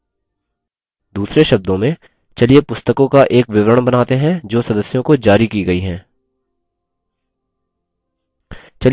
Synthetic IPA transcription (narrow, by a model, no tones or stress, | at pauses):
d̪uːsɾeʃɐb̚d̪õmẽ | t͡ʃɐliepʊst̪əkõkaʔeːkʋɪʋɾəɽ̃bɐnaːt̪eɦɛ̃d͡ʒoːsɐd̪əsjõkod͡ʒaːɾikiɡɐiɦɛ̃ː | t͡ʃɐl